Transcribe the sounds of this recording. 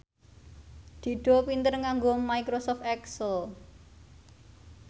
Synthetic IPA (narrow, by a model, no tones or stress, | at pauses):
d̪̥i̤ɖ̥ɔ̤pint̪ərŋaŋɡomaikɾosɔft̪ɛksəl